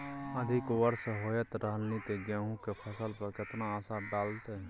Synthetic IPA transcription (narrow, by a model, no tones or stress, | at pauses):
əd̪ʱɪkʋəɾsɦoːjət̪ɾʔəɦəlnit̪eɡɛːɦũkepʰəsəlpəɾkɪt̪naəsaɖaːlt̪eɦɛ